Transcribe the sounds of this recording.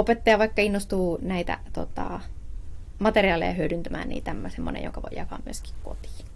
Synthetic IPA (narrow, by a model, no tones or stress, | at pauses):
opet̪ːɑjɑʋɑikːɑinːost̪uːnæit̪æ̰t̪ot̪ɑ̰ | mɑt̪eriɑlḛjɑhyødynt̪æmæ̰ːnnḭːt̪æmːæsemːo̰nḛjo̰ŋkɑʋo̰jɑkɑ̰ːmmyøski̥kko̰t̪i̥ː